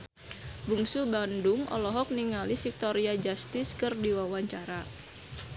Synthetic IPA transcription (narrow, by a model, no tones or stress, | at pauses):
buŋsubandʊŋʔɔ̰lɔɦɔk̚niŋalifik̚t̪oɾiad͡ʒast̪ɪskɨrdiwawaɲt͡ʃaɾa